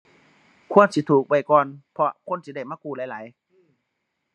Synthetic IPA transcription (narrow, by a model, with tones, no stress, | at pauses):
kʰu˧˥ə˨nsi˧˦t̪ʰuː˨˩k̚ba˨˧˩jkɔː˨˧npʰɔ˧kʰo˧˥˨nsi˧˦da˧˩jmaː˧˥˨kuː˧˩˨laː˨˦jlaː˨˦j